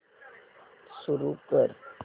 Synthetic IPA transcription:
suɾukəɾ

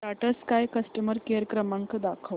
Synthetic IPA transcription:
ʈaʈəskajkəsʈəməɾkeɾkɾəmaŋkd̪akʰəʋ

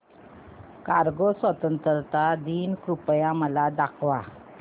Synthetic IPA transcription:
kaɾɡosʋət̪ənt̪əɾt̪ad̪iːnkupjaməlad̪akʰʋa

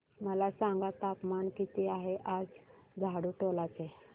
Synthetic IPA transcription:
məlasãŋɡat̪apmankit̪eaɦeʔad͡zɡʱaɽuʈolat͡se

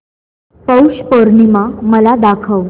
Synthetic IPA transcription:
pəwɕpəɾɳimaməlad̪akʰəw

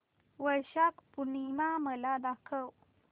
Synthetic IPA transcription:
wəɾɕakpunimaməlad̪akʰəw

